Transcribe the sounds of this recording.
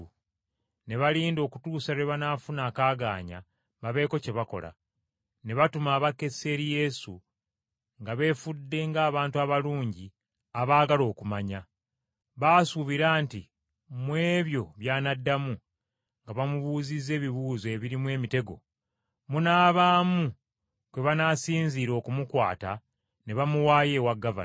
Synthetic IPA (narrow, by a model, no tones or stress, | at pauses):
ne̞βaliːndo̞ːkutuːsaɾeβanaːfunaːkaːɡa̰ːɲa̰ | maβe̞ːko̞ce̞βako̞̰la̰ | ne̞βatumaːβake̞se̞ɾije̞sṵ | ŋɡaβe̞fudːe̞ŋɡaːβaːntuaβaluːɲɟi | aβaːɡalo̞ːkumaɲa | βaːsuβiɾaːnti | mwe̞ːβjo̞βjaːnadːamu | ŋɡaβamuβuːzize̞ːβiβuːzoe̞ːβiɾimwe̞ːmite̞ɡo̞̰ | munaːβaːmu | kweβanasiːɲziːɾo̞ːkumukwa̰ːta̰ | ne̞βamuwaːje̞ːwaɡːava̰